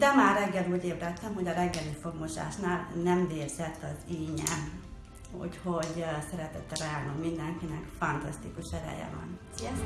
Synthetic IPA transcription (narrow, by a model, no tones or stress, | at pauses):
d̪ɛmaːrɛɡːɛluːɟeːbrɛt̪ːɛmho̞ɟɒɾɛɡːɛlifo̞ɡmoʃa̰ːʃnaːlnɛmveːrz̥ɛt̪ːɒziːɲɛ̰ | ṵcho̞ɟsɛɾɛt̪ɛt̪ːɛɾɛjaːnommind̪ɛŋkinɛkfɒnt̪ɒst̪ikuʃɛɾɛ̰jɛ̰vɒ̰n | ɛ